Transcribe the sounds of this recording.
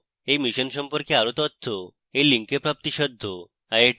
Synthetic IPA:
emiɕənsɔmpɔɾkeaɾut̪ɔt̪ʰːo | eliŋkepɾap̚t̪iɕɔd̪ʱːo | ae

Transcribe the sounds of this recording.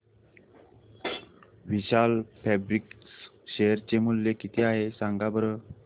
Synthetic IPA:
ʋiɕalpʰɛbɾiks | ɕejəɾt͡ɕemuljekit̪ʰiaɦesãŋɡabəɾə

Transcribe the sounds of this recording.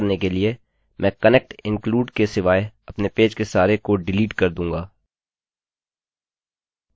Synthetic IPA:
ɾnekelie | mʔɛ̃ːkɐnɛk̚ʈɪ̃ŋkluːɖkesɪʋaːeɐpnepeːd͡ʒkesaːɾekoɖɪliːʈkɐɾd̪ũːŋɡaː

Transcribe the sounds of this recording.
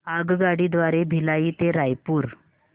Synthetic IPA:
aɡɡaɽiːd̪ʋaɾebʱilaiːt̪eɾajpuːɾ

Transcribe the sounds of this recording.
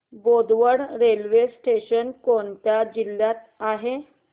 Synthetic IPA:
bod̪ʋəɽɾelʋesʈeɕənkoɳt̪jad͡ʑiljat̪ | aɦe

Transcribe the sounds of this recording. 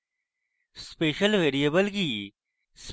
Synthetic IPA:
speːʃəlʋeːɾijəbəlɡiː | s

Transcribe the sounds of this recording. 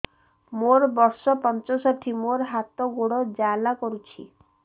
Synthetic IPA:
moɾbɔɾsɔpɔnt͡ʃɔsɔʈʰimoɾɦat̪ɔɡuɽɔd͡ʒalakɔɾut͡ʃʰḭ

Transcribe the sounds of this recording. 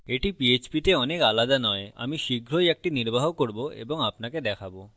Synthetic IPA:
eʈipiet͡ɕpit̪eɔnekalad̪anɔea̰miʃiɡʱɾojɛk̚ʈiniɾbaɦokoɾboḛboŋapnaked̪ɛkʰabo

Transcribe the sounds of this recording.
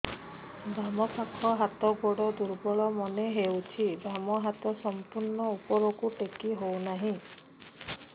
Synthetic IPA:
bɾamɔsakʰɔɦat̪ɔɡoɽɔd̪uɾbɔɭɔmɔneɦewt͡ʃʰibʱɾamɔɦat̪ɔsɔmpuɾnɔupɔɾɔkuʈekiɦownaɦĩ

